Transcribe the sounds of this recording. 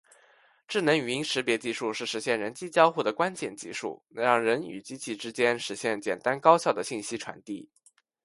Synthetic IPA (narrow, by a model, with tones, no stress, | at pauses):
ʈ͡ʂɻ̩˥˩nɤ˧˥ŋy˧˩i˥ŋʂɻ̩˧˥pjɛ˧˥t͡ɕi˥˧ʂu˥˧ʂɻ̩˥˩ʂɻ̩˧˥ɕjɛ˥˩nɻə˧˥nt͡ɕi˥t͡ɕjɑ˥ʊxu˥˩d̪ə˩kwa˥nt͡ɕjɛ˥˩nt͡ɕḭ˥˧ʂṵ˥˩ɻɑ˥˩ŋɻə˧˥ny̰˨˩t͡ɕi˥t͡ɕi˥˧ʈ͡ʂɻ̩˥t͡ɕjɛ˥nʂɻ̩˧˥ɕjɛ˥˩nt͡ɕjɛ̰˨˩nt̪a˥nkɑ˥ʊɕjɑ˥˩ʊd̪ə˩ɕi˥˩nɕi˥ʈ͡ʂʰwa̰˧˥nt̪ḭ˥˩